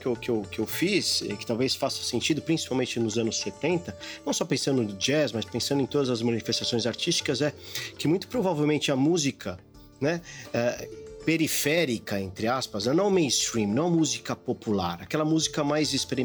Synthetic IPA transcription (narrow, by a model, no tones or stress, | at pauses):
kɪewkɪewkɪewfisɛ̰kɪ̥t̪awvesfasɐ̥sẽnt͡ʃid̪ʊpɾĩsi̥pawmẽnt͡ʃɪnʊzɐ̃nʊsːet̪ẽnt̪ɐnɐ̃w̃sɔpẽsɐ̃nd̪ʊd͡ʒɛzmɐspẽsɐ̃d̪ʊẽt̪od̪ɐzɐzmɐ̃nifest̪asõj̃zaɾt͡ʃist͡ʃi̥kɐzɛkɪmũj̃t̪ʊ̥pɾovavewmẽnt͡ʃɪɐmuzikʰɐ | nɛɛpeɾifɛɾikɐẽnt̪ɾɪaspɐznɐ̃nɐ̃w̃mẽj̃st̪ɾĩmnɐ̃w̃ɐmuzikɐpopula̰ɾakɛlɐmuzikɐmajzɪspeɾi